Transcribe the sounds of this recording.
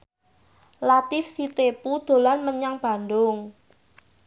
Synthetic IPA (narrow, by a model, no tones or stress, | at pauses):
lat̪ɪfsit̪epud̪̥o̤lanməɲaŋb̥a̤ndʊŋ